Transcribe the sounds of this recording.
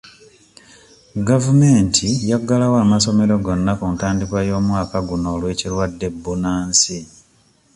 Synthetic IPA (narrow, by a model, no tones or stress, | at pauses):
ɡavume̞ːntʰijaɡːalawaːmaso̞me̞ɾo̞ɡo̞nːakuntaːndikwajo̞ːmwaːkaɡuno̞ːlwe̞ːcilwadːe̞bːunaːnsi